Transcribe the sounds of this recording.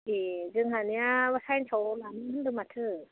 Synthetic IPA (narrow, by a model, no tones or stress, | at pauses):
ezɯŋɦanijawasajnsʰawlamɯhʰɯndɯmatʰɯ